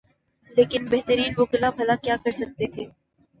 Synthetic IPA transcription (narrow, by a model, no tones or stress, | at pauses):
leːkɪnbɛɦt̪əɾiːnʋoːkɪlapʰɐlakjaːkəɾsək̚t̪et̪ʰeː